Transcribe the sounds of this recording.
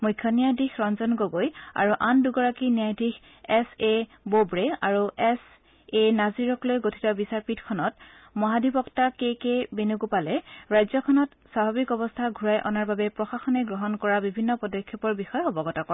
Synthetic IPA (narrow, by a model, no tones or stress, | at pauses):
mujkʰːjɔnijadixɹɔnzɔnɡoɡoja̰ɹuʔanduɡɔɹakiniajdix | ɛse | bobɹeaɹuɛs | enaziɹɔklojɡotʰi̥tɔbisaɹpitkʰɔnɔt | mɔɦadʱibɔktakekebenuɡupalɛɹajzɔkʰɔnɔt | sababikɔbɔstʰaɡʱuɹajʔɔ̰naɹbabɛpɹɔxaxɔnɛɡɹɔɦɔnkɔɹabibʱinːɔpɔdɔkʰːjɔpɔɹbixɔjɔbɔɡɔtɔkɔɹ